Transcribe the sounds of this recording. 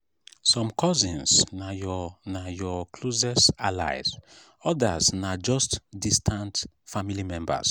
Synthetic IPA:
sɔ̃mkʰɔzĩnsnajɔnajɔkʰlozɛsala̰ɪz | ɔdasnad͡ʒɔstdistʰãnt | familimɛ̃mba̰s

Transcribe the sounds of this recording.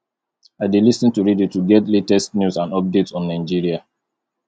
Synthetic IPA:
aɪdilisĩntuɹidjituɡɛtletɛstnjusãnɔp̚detsɔ̃nːãɪd͡ʒiɹia

